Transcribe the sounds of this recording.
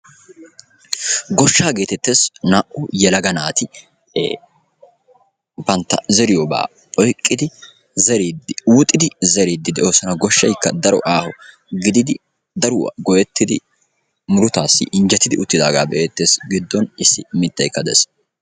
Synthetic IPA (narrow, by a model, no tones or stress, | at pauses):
ɡɔʃːaːɡe̞ːt̪ɛt̪ːe̞ːsnaʔʊjɛlɐɡɐnaːt̪ɪ̰ | bɐnt̪ːɐzɛɾɪjoba̰ː | ɔjkʼːɪd̪ɪ | zɛɾid̪ɪwʊt̪ʼːɪd̪ɪzɛɾiːd̪ːɪd̪ɛoːsɔnɐɡɔʃːɐjkːɐd̪ɐɾɔ̰ʔaːhɔ | ɡɪd̪ɪd̪ɪ | d̪ɐɾʊwɐ̰ɡɔjɛt̪ːɪd̪ɪ | mʊɾʊt̪aːsːɪ̰ʔɪnd͡ʒɛt̪ːɪd̪ɪ̰ʔʊt̪ːɪd̪a̰ːɡa̰ːbɛʔeːt̪ːe̞ːsɡɪd̪ːɔnɪsːɪmɪt̪ːɐjkːɐd̪ɛ̰s